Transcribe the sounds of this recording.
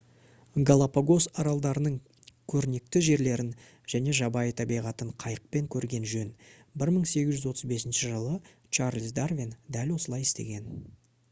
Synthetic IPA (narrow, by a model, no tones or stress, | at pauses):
ɡolˠapaɡo̞sɑɾɑlˠd̪ɑɾənəɴ | kʲʰɵɾne̞k̚t̪ɪʒe̞ɾle̞ɾɪn | ʒ̥æne̞ʒɑbɑjət̪ʰɑbijʁɑt̪əɴqʰɑjəq̚pe̞ŋkʲʰɵɾɡʲe̞nʒɵnbɪɾməɴse̞ɡʲɪzʒʏzwo̞t̪əzbe̞sɪnʃɪʒəlˠə | t͡ʃaɾlʲs̬d̪arvʲind̪ælwo̞səlˠɑjɪst̪e̞̰ɡʲe̞n